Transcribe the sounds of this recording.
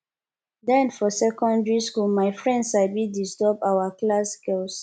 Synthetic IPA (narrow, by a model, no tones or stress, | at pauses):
dɛ̃nfɔsɛkɔ̃ndɹiskumajfɹɛ̃ndsaɪbidistɔpawaklaskɛls